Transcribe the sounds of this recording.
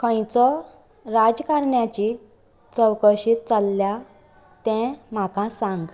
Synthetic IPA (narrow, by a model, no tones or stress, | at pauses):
kʰə̃j̃t͡sɔ | ɾad͡ʑkaɾɳjat͡ɕi | t͡səwkəɕit̪̚t͡salːja | t̪ɛ̃m̤akãsãŋɡ